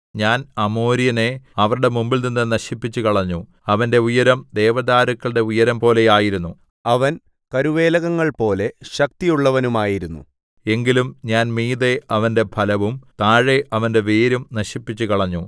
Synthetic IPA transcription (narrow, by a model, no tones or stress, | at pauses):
ɲaːnɐmo̞ːɾijɐne̞ɐʋɐɾuɽe̞mumbilninːɨnɐɕipːit͡ɕːukɐɭɐɲːu | ɐʋɐnde̞ujɐɾɐmd̪e̞ːʋɐðaːɾɐkːɐɭɽe̞ujɐɾɐmpo̞ːle̞jaːjiɾunːu | ɐʋɐn | kɐɾuʋe̞ːlɐɣɐŋːɐɭpo̞ːle̞ɕɐk̚t̪ijuɭːɐʋɐnumaːjiɾunːṵ | e̞ŋɡilumɲaːnmiːðe̞ʔɐʋɐnde̞bʰʱɐlɐʋumt̪aːɻe̞ʔɐʋɐnde̞ʋeːɾumnɐɕipːit͡ɕːukɐɭɐɲːu